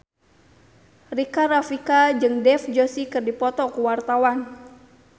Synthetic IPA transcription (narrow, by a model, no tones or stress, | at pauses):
rikaɾafikad͡ʒɨŋdɛfd͡ʒosikɨrdipɔt̪ɔkuwart̪awan